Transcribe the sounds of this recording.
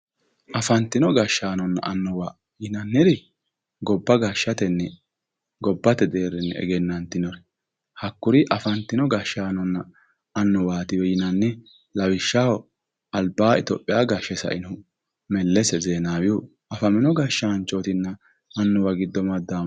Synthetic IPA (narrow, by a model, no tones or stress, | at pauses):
ʔɐfɐnt̪ːɪnɔɡɐʃːaːnɔnːɐ̰ʔɐnːɔwa | jɪnɐnːɪd̪ɪ | ɡɔbːɐɡaːʃːɐt̪ɛnːɛ | ɡɔbːɐt̪ɛd̪eːɾɛnːɛ̰ɛ̰ɡɛnːɐnt̪ɪnɔɾɛ | hɐkːʊɾɪʔɐfɐnt̪ːɪnɔɡaʃːaːnɔnːɐ | ɐnːɔwaːt̪ɪwɛjɪnɐnːɛ | lɐwɪʃːawɔ | ɐlbaːɪt̪ɔpʼːɪjaːɡaʃːɛsɐ̰ʔɪn | mɛlːɛsɛzeːnaːwu | ʔɐfɐmɪnɔɡaːʃːɐɐnt͡ʃːoːt̪ɪnːɐː | nːɔwɐɡɪd̪ːɔmɐd̪ːaːm